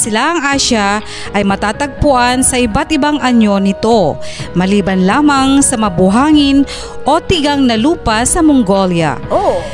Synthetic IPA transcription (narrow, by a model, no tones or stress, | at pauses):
sɪlaʔɐŋʔaʃa | ʔɐjmɐt̪aːt̪ɐɡ̚pʊʔansɐʔɪbat̪̚ʔɪbaŋʔɐɲo̞nɪt̪o̞mɐliːbɐnlaːmɐŋsɐmɐbʊɦaːŋɪn | ʔo̞t̪ɪɡaŋnɐluːpasɐmʊŋɡo̞lja̰o